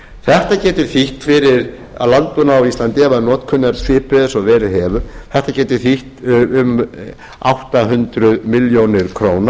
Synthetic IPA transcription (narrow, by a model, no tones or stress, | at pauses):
θɛht̪acɛːt̪ʏɾ̥θiht̪fɪɾɪɾ | a̰lant̪ʏnawist̪lant̪ɪɛvaðnɔːt̪kʰʏnːaɾsʰvɪːpɛðɪsɔðvɛːɾɪɦɛːvʏθɛht̪acɛːt̪ʏɾ̥θiht̪ʏm | awht̪aɦʏnt̪ɾʏðmɪljownɪɾ̥kʰɾoːwna